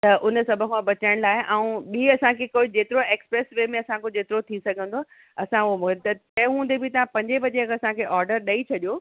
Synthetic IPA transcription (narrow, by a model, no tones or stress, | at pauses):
t̪ɐʔʊnə̆sɐbʱəmãbɐt͡ɕəɽ̃laːɪɦɪʔɐ̃ũɓiɐsãkʰekoːid͡ʑeːt̪ɪɾoeːkspɾeːsʋeːmẽɐsãkʰod͡ʑeːt̪ɪɾot̪ʰisɐɡʱə̃nd̪o | ɐsãʊɦomʊkt̪ɐt͡ɕɐ̃ɦũːnd̪ebʱɪt̪ɐʋ̤ãpɐ̃ɲd͡ʑebɐd͡ʑekɐsãkʰeʔɔːɾɖəɾɗɐit͡ɕʰɐɗijoː